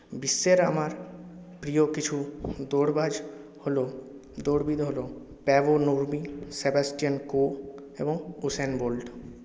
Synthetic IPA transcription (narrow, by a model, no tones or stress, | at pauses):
bisːeɾa̰maɾ | pɾijokit͡ɕʰud̪oɽbad͡ʑ | holo | d̪oɽbid̪ɦolo | pɛʋonuɾmisebasʈijanko | ḛboŋusenbolɖ